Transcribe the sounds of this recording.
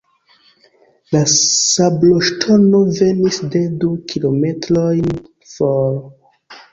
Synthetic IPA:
lasabloʃtʰono̞ve̞nisde̞dukʰilo̞me̞tɾo̞jn | foɾ

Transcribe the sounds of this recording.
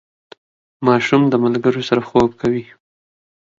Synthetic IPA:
mɑʃumd̪əmalɡəɾosaɾaxob̚kawi

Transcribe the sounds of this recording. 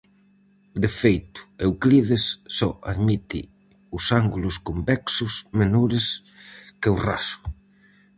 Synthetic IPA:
d̪efejt̪ʊ̥ewkliðesːɔa̰ðmit̪ɪ̰ | ʊsaŋɡulʊskombɛksʊsmenoɾɪs | keura̰sʊ̥

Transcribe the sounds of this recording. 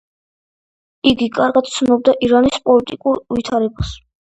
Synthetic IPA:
iɡikʼaɾɡad̪̚t̪sʰnɔb̚d̪aʔiɾanispʼɔlit̪ʼikʼuɾvit̪ʰaɾɛbas

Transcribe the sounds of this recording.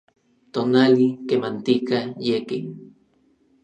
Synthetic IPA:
t̪onalikemant̪ikajeki

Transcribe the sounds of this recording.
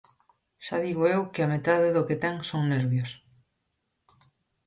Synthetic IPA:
ʃaðiɣoewkɪamet̪aðɪðoket̪ɛŋsoŋneɾβjos

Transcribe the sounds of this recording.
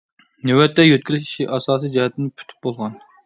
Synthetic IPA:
newɛt̪ːɛjøt̪̚kʲylyʃi̥ʃiʔɑsɑːsijd͡ʒɛhɛt̪ʰɪnɪpʰy̥t̪ʰy̥p̚bolˠʁɑn

